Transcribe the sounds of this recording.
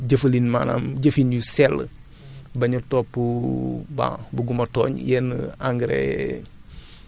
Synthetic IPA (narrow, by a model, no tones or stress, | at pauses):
ɟəfɐlinmana̰mɟəfinjusɛlː | bɐɲutopːuba̰buɡumɐtɔ̰ːɲjɛnaŋɡɾḛ